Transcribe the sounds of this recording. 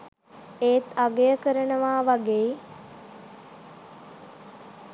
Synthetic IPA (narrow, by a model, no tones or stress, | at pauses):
eːt̪aɡejəkəɾənəʋaːʋaɡeː